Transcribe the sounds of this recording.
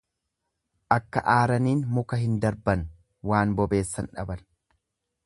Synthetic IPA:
ʔɐkːɐ̰ʔaːɾɐniːnmʊkɐɦɪnd̪ɐɾbɐn | waːnbɔbe̞ːsːɐnᶑɐ̰bɐn

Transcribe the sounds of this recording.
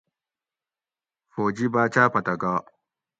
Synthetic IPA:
foːd͡ʒibaːt͡ʃaːpɐtaɡaː

